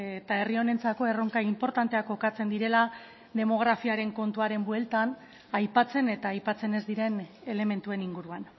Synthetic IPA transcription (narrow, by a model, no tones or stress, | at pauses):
et̪ae̞rio̞ne̞nt͡sako̞e̞roŋkaimpo̞ɾt̪ant̪eakːo̞kat͡se̞nd̪iɾe̞la | d̪e̞mo̞ɣ̞ɾafiaɾe̞ŋko̞nt̪uaɾe̞mbwe̞lt̪an | ajpat͡se̞ne̞t̪aːjpat͡se̞ne̞zd̪iɾe̞ne̞le̞me̞nt̪ue̞niŋɡuɾuan